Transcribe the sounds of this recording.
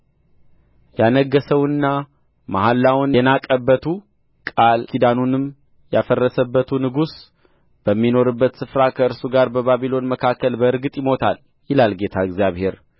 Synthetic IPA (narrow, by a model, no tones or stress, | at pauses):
janəɡːəsəwɨnːa | mahalːawnɛnakʼəbːət̪ʰu | kʼalkʰid̪anunɨm | jafərːəsəbːət̪ʰunɨɡus | b̥əmːino̞ɾɨbːət̪sɨfɾakʰəɨɾsuɡaɾbəβaβilo̞nməkʰakːəlbəɨɾɡɨt̪ʼjɪmo̞t̪ʰal | jɪlalɡe̞t̪ʰaɨɡzijaβhe̞ɾ